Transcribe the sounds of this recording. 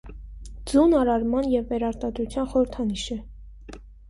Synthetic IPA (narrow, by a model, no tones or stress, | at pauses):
d͡zunɑɾɑɾmɑnjɛvːɛɾɑɾt̪ɑd̪ɾut͡sʰjɑnχɔɾəɾt̪ʰɑniʃə